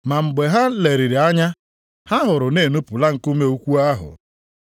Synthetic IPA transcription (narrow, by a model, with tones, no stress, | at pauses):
ma˨m̩˨ɡ͡be˨ɦa˦le˨ɾi˨ɾi˨a˦ɲa˦ | ha˦ɦʊ˨ɾʊ˨ne˦˨nu˦pʊ˨la˦ŋ̩˨ku˦me˦u˦kʷu˦a˦ɦʊ̰˨